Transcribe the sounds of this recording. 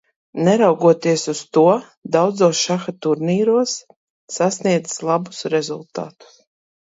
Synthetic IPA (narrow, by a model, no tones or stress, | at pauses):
nɛɾawɡuɔt̪iɛsust̪uɔ | d̪awd̪zoːsʃaxat̪uɾniːɾuɔsː | asniɛd̪zslˠabu̥sɾezulˠt̪a̰ːt̪u̥s